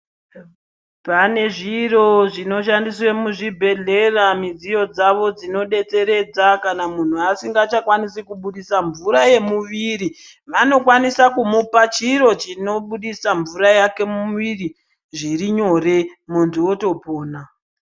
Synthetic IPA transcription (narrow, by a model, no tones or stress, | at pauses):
pane̞ʐiro̞ʐino̞ʃandiswemuʐibʱe̞ɮe̞ramid͡zijo̞d͡zaʋo̞d͡zino̞ɗe̞t͡se̞ɾe̞d͡zakanamun̤uasiŋɡat͡ʃakwanisikuɓuɗisaɱvuɾaje̞muʋiɾi | ʋano̞kwanisakumupat͡ʃiɾo̞t͡ʃino̞ɓuɗisaɱvuɾajake̞muʋiri | ʐiriɲo̞re̞mondiwo̞to̞po̞ːna